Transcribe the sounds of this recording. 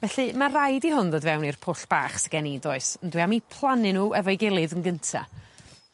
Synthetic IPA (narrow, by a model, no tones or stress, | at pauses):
vɛɬɨmarajdihʊnðodvɛwnirpʰʊɬb̥a̰ːχsəɡ̥ɛnidɔɨsəndwiamipʰlˠanɪnuːɛvɔɨɡɪlˠɨðənɡəntʰa̰